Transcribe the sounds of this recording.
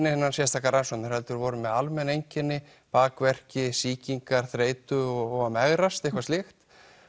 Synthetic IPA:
nɪɪnːansjɛst̪ʰaːkaransownʏɾhɛlt̪ʏɾvɔːwɾʏmːɛðalmɛnːejɲcɛnːɪ | paːkvɛr̥cɪsiːciŋkaɾ̥θɾeːjt̪ʏɔɔɣamɛɣɾast̪ejhkvast̪ɪxt̪

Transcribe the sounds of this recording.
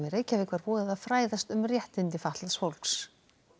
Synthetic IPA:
mɪɾeːjcavɪkvaɾpɔːðɪðaðfɾaːjðast̪ʏmrjɛht̪ɪnt̪ɪfaht̪lasfowlks

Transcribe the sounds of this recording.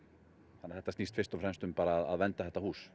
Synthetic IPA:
θanːɛ̥ɾθɛt̪ast̪iːst̪fɪrst̪ɔvfɾɛmst̪ʏmpaːɾaːða̰ðvɛnt̪aθɛht̪ːahuːs

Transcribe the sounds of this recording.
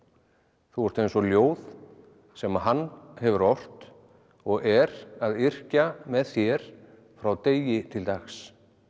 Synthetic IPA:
θuɛɾ̥t̪ejnsɔljoːwð | sɛmaɦanːhɛvʏɾɔr̥t̪ | ɔɣɛɾaðɪr̥camɛðθjɛɾ̥ | fɾawt̪eːjɪt̪ʰɪlt̪axs

